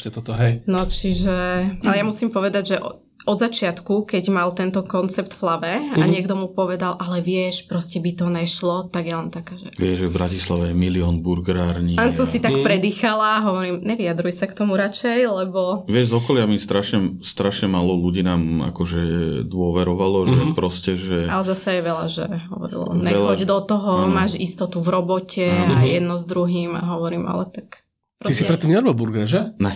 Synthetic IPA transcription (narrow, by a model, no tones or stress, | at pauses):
ɛt̪ɔt̪ɔɦɛjnɔt͡ʃiʒɛalɛjamusimpɔʋɛd̪aɟʒɛʔ | ɔd̪zat͡ʃɪat̪kukɛɟmalt̪ɛnt̪ɔkɔnt͡sɛpt̪flabɛaɲɪɛɡd̪ɔmupɔʋɛd̪alʔalɛʋɪɛʃpɾɔscɛbit̪ɔnɛʃlɔt̪aɡjɛlɛnt̪akaːʒɛ̰ʋɪɛʒʒɛvbɾacislaʋɛjɛmiliɔnbuɾɡɾaːɾɲilɛnsɔmsit̪akpɾɛd̪iːxalaɦɔʋɔɾimɲɛʋiad̪ɾujsakt̪ɔmuɾat͡ʃɛjlɛbɔʋɪɛʒzɔkɔlɪamist̪ɾaʃɲɛst̪ɾaʃɲɛmalɔluɟiːnaːma̰kɔʒɛd̪ʋʊɔʋɛɾɔʋalɔʒɛpɾɔscɛʒɛalɛzasɛjɛʋɛlaʒɛ̰ɦɔ̰ʋɔ̰ɾḭlˠɔ̰mɲɛɛlɔɟd̪ɔt̪ɔɦɔmaːʒist̪ɔt̪uvɾɔbɔcɛajɛd̪nɔzd̪ɾuɦiːma̰ɦɔʋɔɾiːma̰lɛ̰t̪ak | pɾɔisiɾɛt̪ːimɛɾmɔbuɾɡaʒɛnɛ